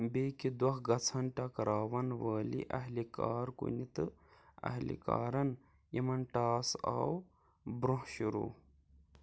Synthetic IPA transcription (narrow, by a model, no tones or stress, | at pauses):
beːkid̪wɐɦɡɐt͡sʰɐnʈɐkɾaːʋɐnʋɐːlḭʔɐɦlikaːɾkṵnit̪ɨɐ̰ɦlḭka̰ːɾɐn | jɐmɐnʈaːsa̰w | bɾoɦʃuɾṵː